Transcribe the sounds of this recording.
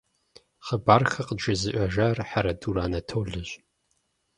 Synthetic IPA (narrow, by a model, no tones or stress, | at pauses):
χəbaːrxɐqəʒɨzɨʔʷʼɐʒɐrħaɾɐduːɾaːnɐtʰoːɮɨɕ